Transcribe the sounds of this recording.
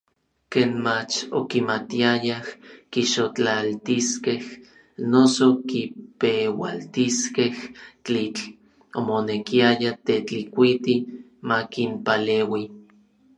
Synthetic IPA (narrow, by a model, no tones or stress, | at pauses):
keːnmat͡ʃo̰kimat̪iajahkiʃot͡ɬalt̪iskeh | nosokipewa̰lt̪iskeht͡ɬit͡ɬ | omonekiajat̪et͡ɬikʷit̪i | makimpaleːwi